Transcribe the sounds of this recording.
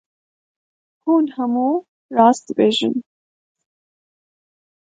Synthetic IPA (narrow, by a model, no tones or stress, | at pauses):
huːnhɛmuː | rɑːs̚d̪ɨbeːʒɨ̰n